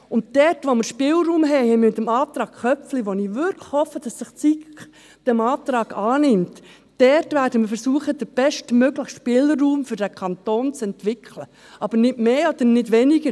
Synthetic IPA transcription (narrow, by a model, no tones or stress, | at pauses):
ʊntd̥ɛrtʋoməɾʃpɪːlruːmɦɛɪhɛɪmmɪt̪əmɑːt̪ɾɑːkχœp͡fliʋoniːʋʏɾkʰlə̥hɔfːəd̥ɑsːəχt͡si | d̥ɛmɑːtɾɑːɡ̥ɑːnɪmtː | ɛrtvæːɾd̥əməfəɾsuəχəd̥əb̥ɛʃtmøɡləχʃpɪləːuːmfʏɾd̥ækʰɑntoːnt͡sɛntʋɪkʰlə | ʔɑb̥əɾnɪtmeːɔd̥̪ənɪdʋɛnɪɡə